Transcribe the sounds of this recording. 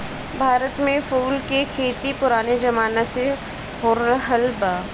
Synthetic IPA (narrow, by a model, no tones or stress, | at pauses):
bʱaːɾət̪mẽfuːlkekʰeːt̪ipʊɾaːned͡ʒɐmaːnase | ɦoːɾɾəɦəlbaː